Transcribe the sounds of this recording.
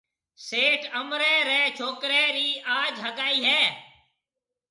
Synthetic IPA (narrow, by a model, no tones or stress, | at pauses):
seːʈəmɾeːɾeːt͡ʃʰoːkɾeːɾiːaːd͡ʒɦəɡaːiːɦɛː